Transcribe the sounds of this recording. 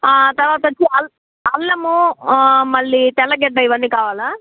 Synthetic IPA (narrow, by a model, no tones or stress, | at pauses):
aːt̪ɐɾʋaːt̪ɐot͡ʃːiɐl | ɐlːɐmu | mɐɭːit̪ɛlːɐɡɛɖːɐiʋɐnːiːkaːʋaːla